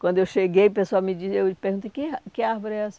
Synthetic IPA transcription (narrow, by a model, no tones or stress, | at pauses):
kwɐ̃nd̪ewʃeɡejpesoawmɪd͡ʒizewpehɡũt̪ɐkɪakɪaɾvoɾɪɛas